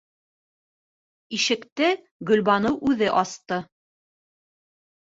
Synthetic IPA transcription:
iʃɘ̆kt̪ɘ | ɡɵ̆lbɑnɤwʔʉðɘʔɑst̪ɤ

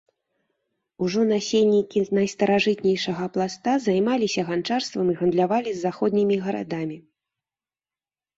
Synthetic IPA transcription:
uʐɔnasʲelʲnʲikʲinɐjst̪ɐɾaʐɨt̪nʲɛjʂɐɣɐplˠast̪azajmalʲisʲɐɣant͡ʂarst̪vɐmiɣɐnd̪lʲavalʲizːaxɔd̪̚ʲnʲimʲiɣɐɾa̰d̪amʲi

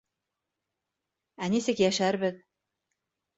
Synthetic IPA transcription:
ænisɘkjæʃæɾbɘð

